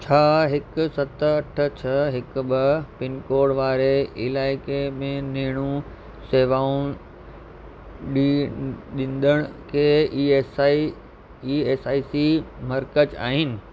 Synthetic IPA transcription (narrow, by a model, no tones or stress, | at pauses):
t͡ɕʰaːɦɪkʊsɐt̪əɐʈʰə̆t͡ɕʰɐɦɪkbɪpɪnkoːɾɽʋaːɾeɪlaːɪkemẽneɦɪɽ̃ũ | seːʋaːʊ̃ | ɗiɗɪ̃nd̪əɽ̃kʰeːiːsi | ieːsaːisimɐɾkət͡ɕa̰ːɦɪnɪ̆